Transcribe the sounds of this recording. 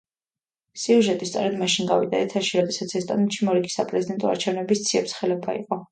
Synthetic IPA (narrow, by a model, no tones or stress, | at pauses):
siuʒɛt̪ʼist̪sʼɔ̰ɾɛd̪maʃinɡavid̪aɛt̪ʰaʃiɾɔd̪ɛsat̪sʰɛst̪ʼa̰nut̪ʃimɔɾiɡi̥sapʼɾɛzid̪ɛnt̪ʼɔa̰ɾt͡ʃʰɛvnɛbist̪sʰiɛpsχɛlɛbaḭqʼɔ